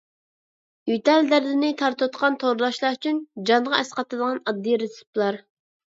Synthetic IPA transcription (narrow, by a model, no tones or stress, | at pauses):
jyt̪ɛld̪æɾd̪ɪnɪt̪ʰɑɾt̪ot̪qʰɑnt̪ʰoɾlɑʃlˠɑɾyt͡ʃʰynd͡ʒɑnʁɑɛsqɑt̪ɨd̪əʁɑnɑd̪ːijɾesu̥plˠɑɾ